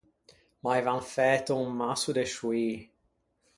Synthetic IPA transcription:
majvanfɛːt̪umasud̪eʃui

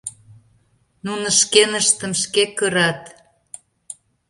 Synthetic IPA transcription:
nunə̆ʃkenəʃt̪əmʃkekəɾɑt̪

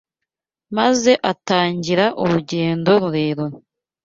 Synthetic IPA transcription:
maze̞ʔataːɲɟiɾaʔuɾuɟe̞ːndo̞ɾuɾe̞ːɾon

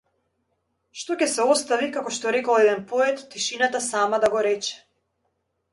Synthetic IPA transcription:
ʃt̪ɔcʲɛsɛɔst̪avikakɔʃt̪ɔɾɛkɔlˠɛd̪ɛnpɔɛt̪ːiʃinat̪asamad̪aɡɔɾɛt͡ʃɛ̥

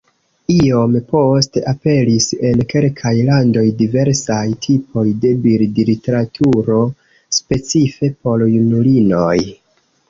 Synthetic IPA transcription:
io̞mpo̞steʔape̞lise̞nke̞lkʰajlando̞jdive̞ɾsajtʰipʰo̞jde̞biɾdilite̞ɾatʰuɾo̞ | spe̞t͡sife̞po̞ɾjunulino̞j

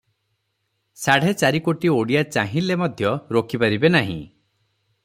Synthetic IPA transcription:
saɽ̤et͡ʃaɾikoʈioɽijat͡ʃãɦĩlemɔd̪ʱjɔɾokʰipaɾibenaɦḭ̃

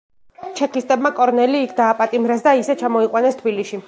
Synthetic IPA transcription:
t͡ʃʰɛkist̪ʼɛbmakʼɔɾnɛliːkʰd̪aːpʼat̪ʼimɾɛsd̪aisɛt͡ʃʰamɔiqʼwanɛst̪ʰbiliʃi

